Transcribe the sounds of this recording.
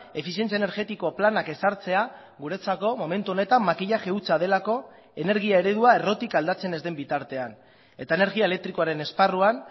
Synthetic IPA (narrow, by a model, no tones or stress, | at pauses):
e̞fisie̞nt͡siaeneɾɣe̞t̪iko̞planake̞saɾt͡se̞a | ɣuɾe̞t͡sako̞mo̞me̞nt̪uo̞ne̞t̪amːakiʎaxe̞ut͡sað̞e̞lako̞ | e̞ne̞ɾɣiae̞ɾe̞ðuae̞ro̞t̪ikald̪at͡se̞ne̞zd̪e̞mbit̪aɾt̪e̞an | e̞t̪ae̞ne̞ɾɣiaele̞k̚t̪ɾiko̞aɾe̞ne̞sparuan